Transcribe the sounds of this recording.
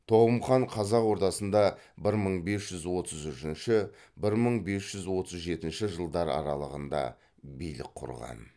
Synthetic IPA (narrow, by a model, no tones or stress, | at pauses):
t̪ʰo̞ʁəmχɑɴqʰɑzɑqwo̞ɾt̪ɑsənd̪ɑ | bɪɾməɴbe̞sʒ̥ʏzwo̞t̪ʰəzʏʃɪnʃɪ | bɪɾməɴbe̞sʒ̥ʏzwo̞t̪əzʒe̞t̪ɪnʃɪʒəlˠd̪ɑɾɑ̰ɾɑ̰lˠəʁənd̪ɑ̰ | bijlɪ̰kqʰʊ̰ɾʁɑ̰n